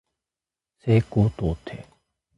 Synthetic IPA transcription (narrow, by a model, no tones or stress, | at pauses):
seːkoːt̪ot̪ʰe